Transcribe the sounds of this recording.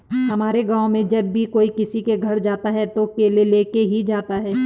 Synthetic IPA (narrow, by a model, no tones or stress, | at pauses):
ɦɐmaːɾeɡãːõmẽd͡ʒɐbːʱikoːikɪsikeɡʱɐɾd͡ʒaːt̪aɦɛt̪okeːleleːkeɦid͡ʒaːt̪aɦɛː